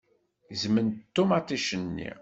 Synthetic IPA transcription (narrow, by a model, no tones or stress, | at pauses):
zmənt̪ːumat̪ˤiʃənːḭ